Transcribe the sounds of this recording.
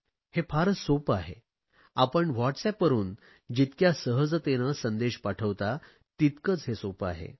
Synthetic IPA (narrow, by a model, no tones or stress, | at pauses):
hefʰaɾəsopaɦḛ | apəɳʋɔʈsɛpʋəɾuːn | d͡ʑit̪kjasəɦəd͡zt̪enəsənd̪eɕpaʈʰəʋt̪a | t̪it̪kət͡sɦesopa̰ɦḛ